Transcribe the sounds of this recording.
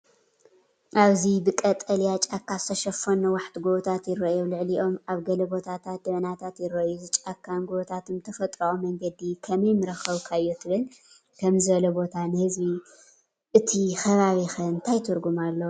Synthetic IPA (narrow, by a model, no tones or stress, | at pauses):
ʔaβzibɨkʼɐt̪ʼɐljat͡ʃʼakʰːazɨ̥t̪ʰɐʃɐfonɐwaħt̪ɡoβt̪ʰat̪jɪɾːɐʔjolɨʕliʔo̞maβɡɐlɐbo̞t̪ʰat̪ʰat̪̚d̪ɐβɐnat̪ʰat̪jɪɾːɐʔjuzɨt͡ʃʼakʰːanɡoβt̪ʰat̪ʰumt̪ʰɐfɐt̪ʼɾɐʔomɐŋɡɐd̪ikʰɐmɐjmɨɾɐxɐβkʰajːot̪ʰɨβɨl | kʰɐmzɨβɐlɐbo̞t̪ʰanɨhɨzbi | ʔɨt̪ʰixɐβaβixɐɨnt̪ʰajt̪ʰɨɾɡumalːɐwu